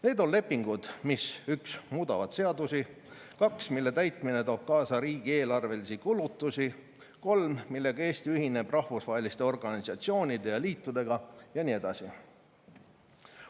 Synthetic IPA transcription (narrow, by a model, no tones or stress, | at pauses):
ne̞ːd̪o̞nle̞pːˑiŋɡ̥ud̪̥misyksmuːd̪ɑvɑd̪̥se̞ɑd̪usi | kɑksmilːe̞t̪æjt̪ˑmine̞t̪o̞ːb̥̚kɑːsɑɾiːɡ̥ie̞ːlɑrve̞lisikulut̪ːˑusi | ko̞lmmilːe̞ɡ̥ɑe̞ːst̪iyɦine̞b̥rɑhvusvɑːelist̪e̞o̞rɡ̥ɑnisɑt̪sio̞ːnʲid̪̥e̞jɑliːt̪ːˑud̪̥e̞ɡ̥ɑjɑnʲie̞d̪ɑsi